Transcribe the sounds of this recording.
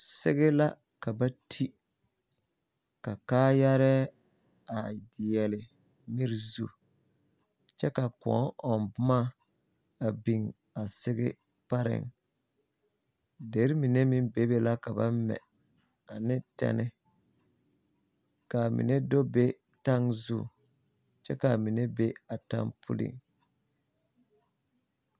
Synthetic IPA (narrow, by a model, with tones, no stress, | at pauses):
sɪ˦ɣɪ˦la˦ | ka˨ba˦tʰi˦ | ka˨kaː˦ja˦ɾɛ˦ | a˨dɪ˨jɛ˨lɪ˨ | mɪ˦ɾzu˦ | t͡ʃɛ˦ka˨kɔ̰˨˦ŋɔ˨nbʊ˦ma˦ | a˨bi˨ŋ | a˨sɪ˦ɣɪ˦ | pa˦ɾɪ̰˨ŋ | de˨˦ɾi˦mi˨ne˦mi˦m˦be˦be˦la˦ka˨ba˦mmɛ̰˨ | a˨nɪ˦tɛ̰˦nɪ˦ | ka˨mḭ˨ne˦do˦be˦ | ta˦ŋzṵ˦˨ | t͡ʃɛ˦ka˨mi˨ne˦be˦a˨ta̰˦ŋpʰʊ̰˦lḭ˨ŋ